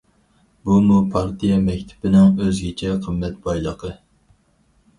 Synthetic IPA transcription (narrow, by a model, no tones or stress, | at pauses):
bumupʰɑɾt̪ʰijɛmɛkʲt̪ʰɪ̥pɪnɪŋøzɡʲɪt͡ʃʰɛqʰəmːɛt̪̚bɑjlˠəqʰə